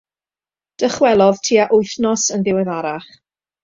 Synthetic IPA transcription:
d̥əχwɛlˠɔðtʰiːaʔʊɨθnɔsənðɪwɛðaɾaχ

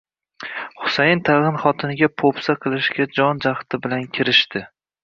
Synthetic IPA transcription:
χʊ̥sajɪnt̪ʰaʁɨnχɒt̪ʰɪnɪɡʲapʰopsaqʰɨlˠɪʃɡʲad͡ʒɒnd͡ʒaχt̪ɪbɪlankʲʰɪɾɪʃt̪ɪ

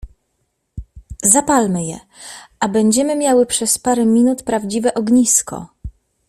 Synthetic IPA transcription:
zapalmɘjɛ̰ | ʔabɛɲd͡ʑɛmɘmʲjawɘpʂɛspaɾɛmʲinut̪pɾavd͡ʑivɛʔɔɡɲiskɔ̰

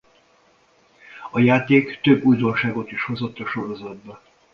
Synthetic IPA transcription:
ɒjaːt̪eːkt̪øbːuːjd̪o̞nʃaːɡo̞t̪iʃho̞zo̞t̪ːɒʃo̞ɾo̞zɒd̪̚bɛ

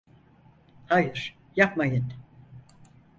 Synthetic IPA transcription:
hajɯɾ̥ | japmajɯn

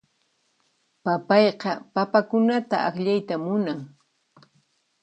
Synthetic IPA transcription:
papɑjqɑpapakʊnat̪a̰akʎajt̪amʊnaŋ

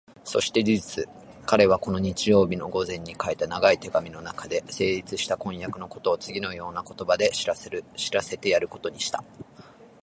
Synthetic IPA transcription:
so̞ɕi̥t̪e̞d͡ʑiʑit͡sɨ | kaɾe̞β̞ako̞no̞ɲ̟it͡ɕijo̞ːbʲino̞ɡo̞zẽ̞ɲ̟ːikait̪anaɡait̪e̞ɡamʲino̞nakad̪e̞se̞ːɾʲit͡sɨɕi̥t̪akõ̞ɰ̃jakɯ̟no̞ko̞t̪o̞ːt͡sɨɡʲino̞jo̞ːnako̞t̪o̞bad̪e̞ɕiɾase̞t̪e̞jaɾɯ̟ko̞̥t̪o̞ɲ̟iɕi̥t̪ḁ

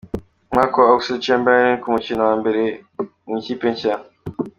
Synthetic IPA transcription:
makooksit͡ʃembanikumut͡ʃinawambeɾe | iŋkipeɲca

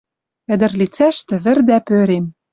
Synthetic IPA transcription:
ɘ̆d̪ɘ̆rlit͡sæʃt̪ɘ̆βɘ̆rd̪æpøɾem

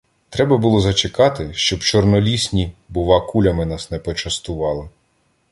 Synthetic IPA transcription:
t̪ɾɛbɐbulˠɔzɐt͡ʃekɑt̪ɪʃt͡ʃɔbt͡ʃɔrnɔlʲisʲnʲibʊʋɑkulʲɐmɪnɑsnɛpɔt͡ʃɐst̪ʊʋɑlˠɪ

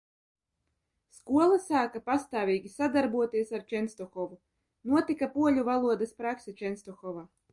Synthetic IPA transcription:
skuɔlˠasaːkapast̪aːvʲiːɡʲisad̪aɾbuɔt̪iɛsaɾt͡ʃɛnst̪ɔxɔvu | nuɔt̪ikapuɔʎʲuvalˠuɔd̪aspɾaksɛt͡ʃɛnst̪ɔxɔva

